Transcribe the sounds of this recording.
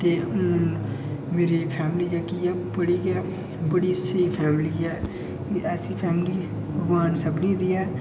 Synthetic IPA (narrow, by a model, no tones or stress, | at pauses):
t̪eːnmeːɾipʰɛːmlid͡ʒakijapəɽiɡaː | bəɽiseipʰɛːmliɛː | ɛːsipʰɛːmli | bəɡaːnsəbnĩd̪ijɛː